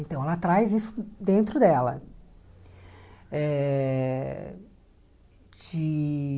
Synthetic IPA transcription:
ẽt̪ɐ̃w̃ɛlɐt̪ɾajzisʊ̥d̪ẽnt̪ɾʊd̪ɛlɐ̰ | ɛ | t͡ʃɪ

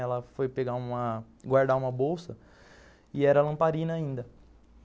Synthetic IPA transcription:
ɛlɐfojpeɡaũmɐ | ɡwaɾd̪aũmɐbowsɐ | ɪɛɾɐlɐ̃mpaɾĩnɐaĩnd̪ɐ

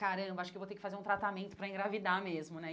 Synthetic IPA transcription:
kaɾɐ̃bɐaʃʊkevowt̪eɾkɪfazeɾũt̪ɾat̪amẽnt̪ʊ̥pɾɐĩŋɡɾavid̪amezmʊnɛ

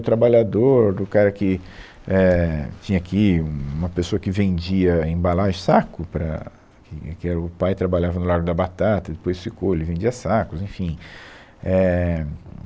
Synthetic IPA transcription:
ʊt̪ɾabaʎad̪oɾd̪ʊkaɾɐkɪ | ɛt͡ʃĩɲɐakʰiũũmɐpesoɐkɪvẽnd͡ʒiɐẽbalaʒʊsakʊpɾɐ̰ | kɪkɪɛɾɐʊpajt̪ɾabaʎavɐnʊlaɾɡʊd̪ɐbat̪at̪ɐd̪epojsfikoelɪvẽd͡ʒiɐsakʊzẽfĩ | ɛ

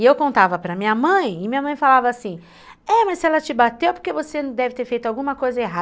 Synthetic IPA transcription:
ɪewkõnt̪avɐpɾɐmĩɲɐmɐ̃j̃ɪmĩɲɐmɐ̃j̃falavɐːsĩ | ɛmasɛlɐt͡ʃɪbat̪ewpoɾkevosed̪ɛvɪt̪eɾfejt̪ʊawɡũmɐkojzɐeɦa

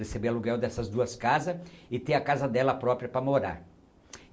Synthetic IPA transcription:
esebeɾaluɡɛwd̪ɛsɐzd̪uɐskazɐɪt̪eɾɐkazɐd̪ɛlɐpɾɔpɾiɐpɾɐmoɾa̰ɾ

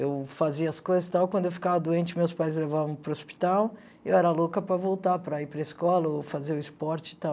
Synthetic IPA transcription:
ewfaziɐɐskojzɐst̪awkwɐ̃nd̪ʊewfi̥kavɐd̪oẽnt͡ʃɪmewspajzlevavɐ̃w̃pɾɐospi̥t̪aw | ewɛɾɐlokɐpɾɐvowt̪apɾɐipɾɐiskɔlɐofazeɾʊispɔɾt͡ʃɪ̥t̪aw

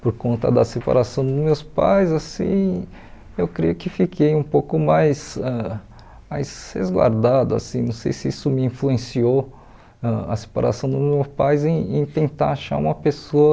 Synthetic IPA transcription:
poɾkõnt̪ɐ̰d̪ɐsepa̰ɾasɐ̃w̃d̪ʊmewspa̰jzasḭ̃ | ewkɾijʊkɪfikʰejũpowkʊmajzɛ | majzhḛzɡwa̰ɾd̪ad̪ʊa̰sĩnɐ̃w̃sḛjsɪisʊmɪĩfluẽsio | ɛɐ̰se̥pa̰ɾa̰sɐ̃w̃d̪ʊmewpajzẽẽt̪ẽnt̪a̰ɾaʃa̰ɾũmɐpesoɐ

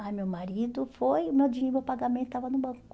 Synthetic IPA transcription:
amewmaɾid̪ʊfojʊmewd͡ʒieɾmewpaɡamẽt̪ʊt̪avɐnʊbɐ̃kʊ̥

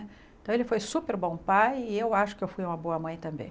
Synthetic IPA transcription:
t̪ɐ̃w̃elɪfojsupeɾbõpajɪewaʃʊ̥kɪewfujũmɐboɐmɐ̃j̃t̪ɐ̃mbḛ̃j̃

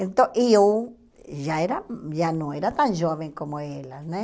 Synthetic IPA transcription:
ent̪õʔiu | ʒaeɾajanõeɾat̪anʒoβeŋkomoelane

